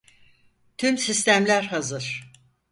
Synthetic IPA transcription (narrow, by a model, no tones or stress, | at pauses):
t̪ʰymsist̪æmlʲæɾɦazɯɾ̥